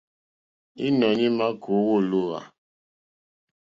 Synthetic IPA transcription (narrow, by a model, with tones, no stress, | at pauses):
i˦nɔ˨ɲi˦ma˦kʰo˨˦wo˦˨lu˦ɣa̰˨